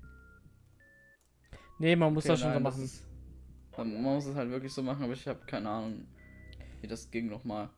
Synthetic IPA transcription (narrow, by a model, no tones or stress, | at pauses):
nemanmʊsd̥aːsʃoːnzomaχn̩ | manmʊsɛshaltv̥ɪɐklɪçz̥oːmaχn̩ʔaːbɐɪçhaːbə̥kʰaɪnəʔaːnʊŋ | viːdasɡ̥ɪŋnɔχmaːl